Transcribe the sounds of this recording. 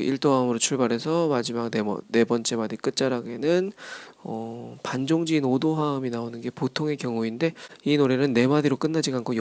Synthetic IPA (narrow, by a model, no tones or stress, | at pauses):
iɭt͈oamɯɾot͡ɕʰuɭbaɾe̞sʰʌmad͡ʑimak̚neʌ̰ne̞bʌnt͡ɕ͈e̞madik͈ɯt̚t͡ɕ͈aɾaɡe̞nɯnʌpand͡ʑoŋd͡ʑiːnodoɦaminaonɯnɡe̞potʰoŋe̞kjʌŋuinde̞inoɾe̞nɯnːe̞madiɾok͈ɯnːad͡ʑiɡankʰoj